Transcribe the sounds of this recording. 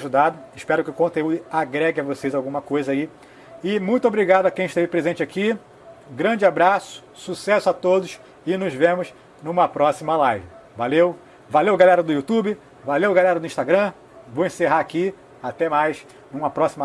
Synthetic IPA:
ʒud̪ad̪ʊɪʃpɛɾʊkɪʊkõnt̪eud̪ʊaɡɾɛɡɪɐvosejzawɡũmɐkojzɐai | ɪmũj̃t̪ʊobɾiɡad̪ʊɐkẽj̃ɪʃt̪evɪpɾezẽnt͡ʃɪakĩ | ɡɾɐ̃d͡ʒɪabɾasʊ̥susɛsʊat̪od̪ʊs | ɪnʊzvẽmʊz | nũmɐpɾɔsimɐlajvɪ | valew | valewɡalɛɾɐd̪ʊjut̪ubɪ | valewɡalɛɾɐd̪ʊĩʃt̪aɡɾɐ̃ | vowẽseɦaaki | at̪ɛmajs | nũmɐpɾɔsimɐ

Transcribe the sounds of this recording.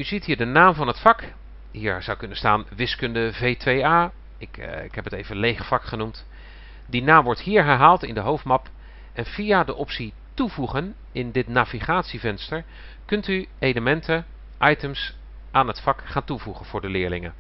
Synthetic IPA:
yzitɦiːɹdənaːmvɑnɦətfɑk | ɦiːɹz̥ʌwkɵnənstaːnʋɪskɵndəvejtʋejaː | ɪkɪkɦɛpətejvənlejχfɑkχənumt | dinaːmʋɔɹtɦiːɹɦɛɹɦaːlˠtɪndəɦowftmɑp | ʔɛnv̥ijadəʔɔpsi | tuvuχən | ɪndɪtnaːviχaːtsivɛnstəɹ | kɵntyejləmɛntʰə | ʔɑjtəms | ʔaːnɦətfɑkχaːntuvuχənv̥ʊːɹdəlɪːɹlɪŋə̰n

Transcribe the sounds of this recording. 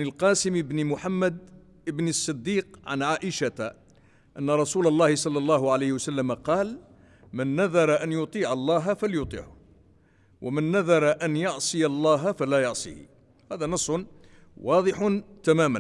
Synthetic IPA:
ʕnəlqɑːsɪməbnɪmʊħamːad̪ | ʔəbnəsˤːɨd̪ːiːqʕa̰nʕaːʔɪʃat̪a | ʔa̰nːaɾˤɑsuːlɑlˤːɑːhɪsˤɑlːɑlːɑːɦʊʕalajhɪwasalːamaqɑːl | mɪnːaðɑɾˤɑʔanjʊt̪ˤiːʕɑlˤːɑːɦfaljʊt̪ˤḭːʕʊ | wʔamɪnːaðɑɾˤɑʔanjɑʕsˤɨjɑlˤːɑːɦafalajɑʕsˤḭh | hæːðænɑsˤːʊn | wɑːd̪ˤɨħʊnt̪amæːmæn

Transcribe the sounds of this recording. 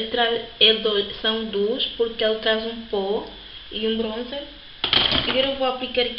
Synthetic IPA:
t̪ɾaɾɛd̪osɐ̃w̃d̪uʃpuɾkɛlˠt̪ɾazũpo | iũbɾõzɛɾ | ɐɡɔɾewvoaplikaɾk

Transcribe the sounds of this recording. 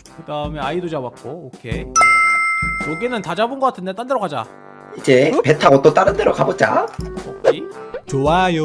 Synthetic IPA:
kɯdaɯme̞aidod͡ʑawak̚k͈ookʰe̞ | oɡinɯntad͡ʑabonɡʌk͈atʰɯnde̞t͈andeɾokad͡ʑa | id͡ʑe̞pe̞tʰaʌt͈ot͈aɾɯndeɾokabot̚t͡ɕ͈a̰okʰet͡ɕowajo

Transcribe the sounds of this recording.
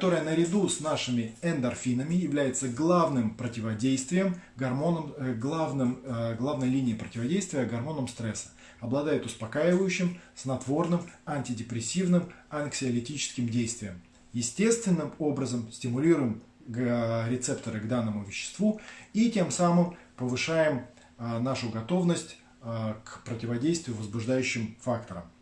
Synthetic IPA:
kɐt̪o̞ɾəjənəɾʲɪd̪usnaʂɨmʲɪɛnd̪ɐrfʲinəmʲɪjɪvlʲæjɪt̪səɡlˠavnɨmpɾətʲɪvɐdʲejst̪vʲɪjəmmnəmɡlˠavnɨmɡlˠavnəjlʲinʲɪːpɾətʲɪvɐdʲejst̪vʲɪjəɡɐrmo̞nəmst̪ɾɛsːə̥ | ɐblˠɐd̪ajɪt̪ʊspɐkajɪvəjʉɕːɪmsnɐt̪vo̞rnɨmanʲtʲɪdʲɪpɾʲɪsʲːivnɨmɐnksʲɪɐlʲɪtʲit͡ɕɪ̥skʲɪmdʲejst̪vʲɪjəm | jɪsʲtʲe̞st̪vʲɪnːɨmo̞bɾəzəmsʲtʲɪmʊlʲiɾʊjɪm | ɾʲɪt̪sɛpt̪əɾɨɡd̪anːəmʊvʲɪɕːɪ̥st̪vuitʲe̞msamɨmpəvɨʂajɪm | naʂʊɡɐt̪o̞vnəsʲtʲ | kpɾətʲɪvɐdʲejst̪vʲɪjʊvəzbʊʐd̪ajʉɕːɪmfakt̪əɾə̰m

